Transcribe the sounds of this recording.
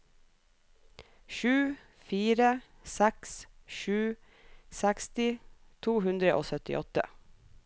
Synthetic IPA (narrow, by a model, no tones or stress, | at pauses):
ʃʉː | fiːɾə | sæksʃʉː | sækst̪ɪt̪ʰuːhʉnd̪ɾəʔo̰ːsœt̪ɪ̰ʔɔt̪ə̰